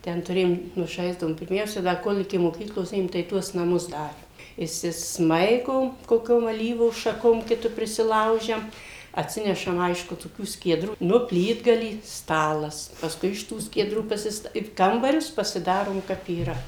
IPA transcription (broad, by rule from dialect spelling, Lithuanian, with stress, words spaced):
ˈtʲɛn tʊˈrʲeːjoːm ˈnʊ ˈʒɐɪzdɐʋoːm pʲɪrʲˈmʲɛʊsʲɛ ˈdɐ ˈkoːlʲ ɪkʲɪ moːˈkʲiːklˠoːs ˈeːjoːm tɐɪ ˈtuɔs nɐˈmʊs ˈdɑːrʲeːm ɪʃʲsʲɪsˈmɐɪɡoːm koːˈkʲoːm ɐˈlʲiːʋuː ʃɐˈkoːm ˈkʲɪtʊ pʲrʲɪsʲɪˈlˠɐʊʒʲɛm ɐtʲˈsʲɪnʲɛʃɐm ˈɐɪʃkʊ toːˈkʲuː sʲkʲiɛˈdruː ˈnʊ ˈpʲlʲiːdɡɐlʲiː ˈstɑːlˠɐs pɐsˈkʊɪ ɪʃ ˈtuː sʲkʲiɛˈdruː pɐsʲɪsˈtɐ ɪ ˈkɐmbɐrʲʊs pɐsʲɪˈdɑːroːm ˈkɐp iːˈrɐ